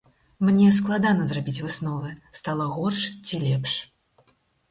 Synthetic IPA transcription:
mnʲɛsklˠad̪anɐzɾabʲit͡sʲvɨsnɔvɨst̪alˠɐɣɔrʂt͡sʲilʲɛpʂ

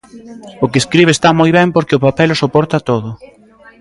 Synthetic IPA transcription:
ʊkeskɾiβ̞est̪amojβ̞ɛmpoɾkɪopapɛlosopɔɾt̪at̪oðʊ

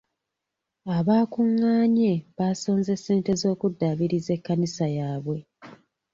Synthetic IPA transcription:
aβaːkuŋːaːɲe̞βaːso̞ːnze̞se̞ːnte̞zo̞ːkudːaβiɾize̞kːanisajaːβwe̞

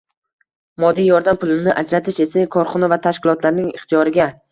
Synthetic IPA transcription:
mɒd̪ːijɒɾd̪ampʊlˠɪnɪʔad͡ʒɾat̪ʰɪʃe̞sakʰɒɾχɒnɪvat̪ʰaʃkʲɪlˠɒt̪laɾnɪŋɪχt̪ʰijɒɾɪɡʲa

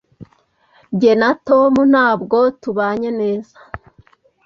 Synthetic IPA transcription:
ɟe̞natomun̥haːbɡotuβaːɲeneːzḁ

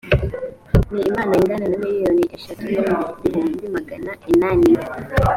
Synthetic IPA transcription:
niːmaːnaiŋɡananamilijoniʔeʃatujomdiɾinidimaɡa̰naʔenani

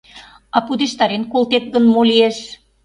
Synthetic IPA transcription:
ɑpud̪eʃt̪ɑɾenkolˠt̪ek̚ɡənmolʲieʃ

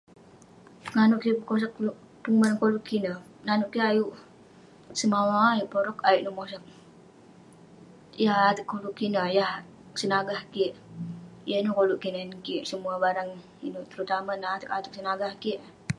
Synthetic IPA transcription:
ŋanuʔkipkos̬akl | pumənŋkoluʔkːinəh | nanuʔkiajuʔ | səmawaːjuʔpoɾɔkajiʔnumosak̚ | jahat̪əkːoluʔkinəjah | sənaɡahkiʔ | janukoluʔkinankiʔsəmuabaɾaŋ | inuʔt̪əɾut̪amanaat̪əkat̪ək̚sənaɡahkiʔ

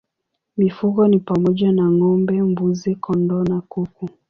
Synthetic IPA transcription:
mifuɡɔnipamɔʄanaŋɔmbɛmbuzikʰɔndɔnakuku

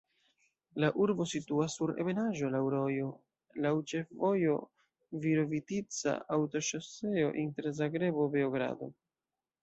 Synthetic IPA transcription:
laʔuɾbo̞situasːuɾe̞̰βe̞naʒo̞lawɾojo̞ | lawt͡ʃe̞fvo̞jo̞ | viɾo̞vitit͡sa̰awto̞ʃose̞o̞̰ʔinte̞ɾzaɡɾe̞bo̞be̞oɡɾa̰do̞̰

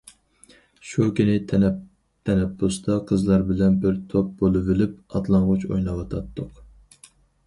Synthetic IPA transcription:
ʃukʲinɪ | t̪ʰɛnɛpːust̪ɑqʰəzlˠɑɾbɪlɛnbɪɾt̪ʰop̚bolˠɨvɪlɪp̚ɑt̪lˠɑɴʁʊt͡ʃʰo̰jnɑwɑt̪ʰɑt̪ːʊq

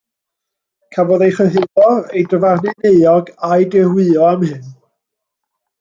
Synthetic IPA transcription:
kʰabɔðejχəɦɪðɔejdəvarnɨneɨɔɡajdɛrwɨɔamhɨn

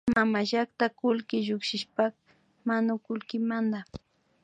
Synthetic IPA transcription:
mamaʒakt̪akʊlkɪʒʊkʃɪʃpak | manʊkʊlkɪmand̪a

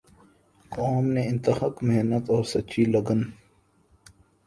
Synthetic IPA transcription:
kɔːmneɪ̃nt̪əxəkmeɦnət̪ɔːɾsɐt͡ʃʰilɐɡən

